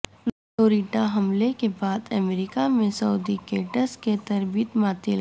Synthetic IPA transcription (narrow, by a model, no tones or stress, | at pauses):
l | oːɾiːʈaɦɐmlekebaːd̪əmɾikamẽsɐud̪ikeːʈəsket̪ɐɾbiːt̪maːt̪el